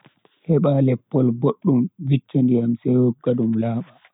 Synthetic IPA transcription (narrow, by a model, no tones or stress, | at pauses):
hɛɓalɛpːɔlboɗːumvit͡ʃːandiamsɛwɔkːaɗumlaːɓa